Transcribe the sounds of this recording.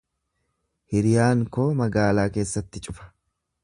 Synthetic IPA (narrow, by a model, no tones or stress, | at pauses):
hɪɾɪjaːŋkoːmɐɡaːlaːke̞ːsːɐt̪ːɪt͡ʃʼʊfɐ̥